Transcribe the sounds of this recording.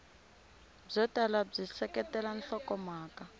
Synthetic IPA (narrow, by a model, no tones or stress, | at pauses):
b͡ʐɔtalab͡ʐisɛkɛtɛlan̩ɬɔkɔmaːka